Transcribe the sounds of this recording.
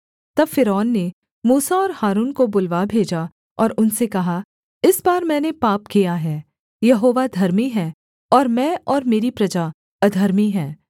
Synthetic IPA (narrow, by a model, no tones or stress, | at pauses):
t̪ɐbfɪɾɔːnːe | muːsaɔːɾhaːɾuːnkobʊlʋabʱeːd͡ʒa | ɔːɾʊnsekɐɦa | ɪsbaːɾmɛ̃ːnepaːpkijaɦɛː | jɐɦoːʋad̪ʱɐɾmiɦɛ̃ː | ɔːɾmɛ̃ːɔːɾmeːɾipɾɐd͡ʒa | ɐd̪ʱɐɾmiɦɛ̃ː